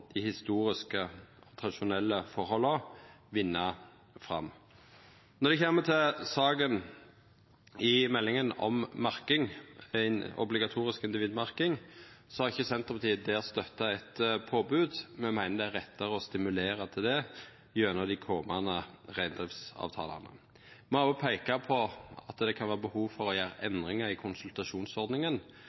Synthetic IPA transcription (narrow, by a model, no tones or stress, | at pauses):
d̪̥ɪhɪst̪uːɾɪskət̪ʰʁɑd̪ɪʃʊnɛlːəfɔɾhɔlːəʋɪnːɑ | fʁɑ̰mː | nɔʁd̪ɛçɛmːət̪ʰɪlsɑːɡən | ɪmɛlːɪŋənɔ̰mmɑʁkɪŋæɪnɔ̰blɪɡɑt̪ʰuːɾɪskɪnd̪ɪʋiːd̪mɑɾkɪŋsɔhɑʁɪçːəsɛnt̪ʁəpʰɑt̪ʰiːd̪ɛɛst̪œt̪ːɑɛt̪pʰoːbʉːd̪mɛmæɪnəd̪ɛæɾɛt̪ːɑʁəɔst̪ɪmʉleːʁɑt̪ʰɪld̪ɛ | jøːnəd̪ɪkʰɔːmɑnəʁæɪnd̪ʁɪfsɑ̰ːʋt̪ʰɑ̰ːlɑ̰nə̰ | mɔpʰæɪkɑpʰɔɑt̪d̪ɛkʰɑnʋæːʁbəhuːʋfɔʁɔjæːɾɑʔɛnd̪ʁɪŋɑɪkʰʊnsʉlt̪ɑʃuːnsɔʁd̪nɪŋən